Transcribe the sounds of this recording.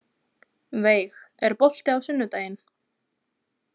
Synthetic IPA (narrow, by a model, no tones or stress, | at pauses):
veːjxɛɾpɔl̥t̪ɪawsʏnːʏt̪aːjɪn